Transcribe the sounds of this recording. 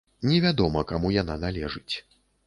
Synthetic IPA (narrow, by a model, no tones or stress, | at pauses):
nʲɛvʲad̪ɔmɐkamujananalʲɛʐɨt͡sʲ